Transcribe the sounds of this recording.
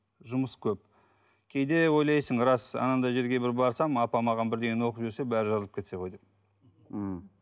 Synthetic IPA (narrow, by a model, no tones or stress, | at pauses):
ʒʊməskʲʰɵp̚ | kʲʰejd̪e̞wo̞jlˠɑjsəɴɾɑsɑ̰nɑnd̪ɑʒe̞ɾɡʲe̞bɪɾbɑɾsɑmɑpɑmɑʁɑnbɪɾd̪e̞ɡʲenwo̞qəpʒyɾse̞bæɾɪʒɑzəlˠəpkʲe̞t̪seqʰo̞jd̪em̩